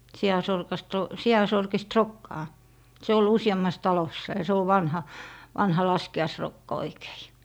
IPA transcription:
siɑsorkɑst o siɑsorkist rokːɑː se ol usiɑmːɑs tɑlosːɑ jɑ se oʋ ʋɑnhɑ ʋɑnhɑ lɑskiɑisrokːɑ oike̥i̥

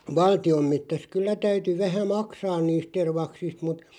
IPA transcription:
ʋɑltiom metːæs kylːæ tæyty ʋæhæ mɑksɑːn niːst terʋɑksist mut

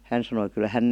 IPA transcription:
hæn sɑnoi kyl hæn

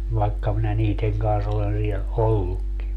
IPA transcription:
ʋɑekːɑ minæ niːteŋ kɑns olen liɛ olːukːi

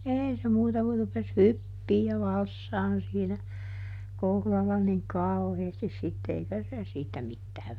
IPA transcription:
eˑi se muːtɑ ku rupes hypːiː jɑ ʋɑlsːɑːn siːnæ kohlɑlːɑ niŋ kɑu̞heːstis sitːe eikæ se siːtæ mitːæːʋ

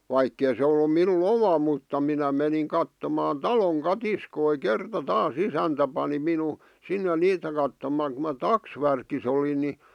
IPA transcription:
ʋɑikːei se olːu minun omɑ mutːɑ minæ meniŋ kɑtːomɑːn tɑloŋ kɑtiskoi kertɑ tɑːs isæntæ pɑni minu sinːe niːtæ kɑtːomɑˑŋ̆ ku mɑ tɑksʋærkis olin ni

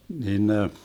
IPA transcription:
nin ne

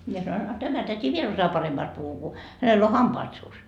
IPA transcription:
mie sɑnoin ɑ tæmæ tæti ʋiel osɑjɑː pɑremːɑːst puhu ku hænelː o hɑmpɑːt suːs

